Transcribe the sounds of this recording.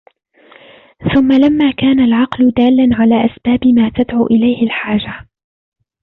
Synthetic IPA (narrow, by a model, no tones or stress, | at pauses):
θʊmːalamːaːkaːnalʕɑqlʊd̪aːlːanʕalaːʔasbaːbɪmaːt̪ad̪ʕṵːʔɪlajhɪlħaːd͡ʒa